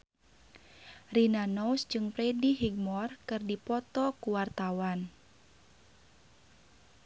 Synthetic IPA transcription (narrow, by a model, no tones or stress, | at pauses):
rinanɔwsd͡ʒɨŋpɾɛdiɦiɡ̚mɔrkɨrdipɔt̪ɔkuwart̪awan